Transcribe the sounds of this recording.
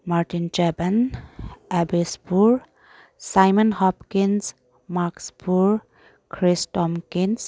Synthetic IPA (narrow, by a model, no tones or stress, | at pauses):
maɾʈint͡ʃɛban | ɛbispuɹ | sajmənhɔpkins | maɾkspuɹ | kʰɾisʈɔmkins